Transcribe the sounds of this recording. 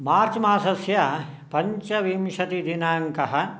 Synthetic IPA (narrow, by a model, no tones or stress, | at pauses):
maːɾt͡ʃmaːsɐsjɐ | pɐɲt͡ʃɐʋimʃɐt̪id̪inaːŋkɐɦɐ̆